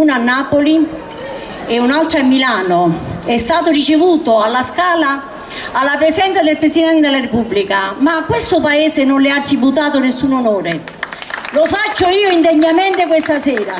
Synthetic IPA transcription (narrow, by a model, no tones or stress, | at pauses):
uːnanːaːpoli | eunalt̪ɾaamːilaːnoɛst̪aːt̪ʊrit͡ʃevuːt̪oalːaskaːla | alːapɾesɛnt̪sad̪elpɾesid̪ɛnt̪ed̪elːarepubːlikamakːwest̪ʊpaɛːsenʊnlɪat̪ːɾibut̪aːt̪ʊnesːuːnonoːɾe | lofat͡ʃːoiːoind̪eɲːament̪ekwest̪asɛːɾa